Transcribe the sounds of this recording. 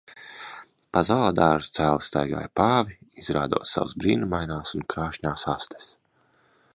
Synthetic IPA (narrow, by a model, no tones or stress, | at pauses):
pazalaːd̪aːʒst̪sæːlˠst̪a̰jɡa̰ːjpaːviizɾaːd̪ṵɔt̪sa̰wsbɾḭːnumajnaːsunkɾaːʃɲaːsast̪e̥s